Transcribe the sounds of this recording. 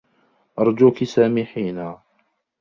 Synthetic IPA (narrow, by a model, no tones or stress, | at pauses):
ʔɑɾˤd͡ʒuːkisaːmiːħiːna